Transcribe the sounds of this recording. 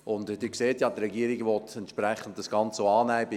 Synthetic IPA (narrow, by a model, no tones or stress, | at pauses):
ʔʊndd̥ykseːtjɑdɾɛɡiːɾiɡʋɔtʰɛntʃpɾɛχən̩td̥ɑsɡ̥ɑnt͡soɑːnæːb